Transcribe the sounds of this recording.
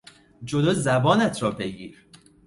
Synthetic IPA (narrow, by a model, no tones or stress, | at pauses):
d͡ʒoloːzæbɒːnæt̪ʰɾɒːbe̞ɡiːɾ